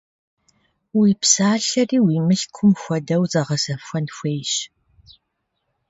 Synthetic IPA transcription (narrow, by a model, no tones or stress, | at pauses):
wiːpsaːɬɐriːwiːmɨɬkʷʰʊmxʷɔdɐwzɐʁɐzɐfxʷɔnxʷejɕ